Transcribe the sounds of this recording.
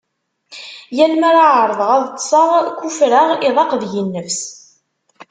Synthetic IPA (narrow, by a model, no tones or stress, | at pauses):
jælmæɾaʕəɾˤðˤəʁæðˤt̪ːsˤɑʁkːufɾaʁɪðˤɑqðjənːəvs